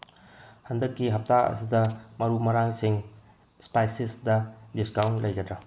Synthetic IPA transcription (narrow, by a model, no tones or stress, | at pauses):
hɐndɐkːiɦɐp̚taɐ̰sidɐmɐɾumɐɾaŋsiŋ | spajsisdɐdiskawntlɐjɡɐdɾɐ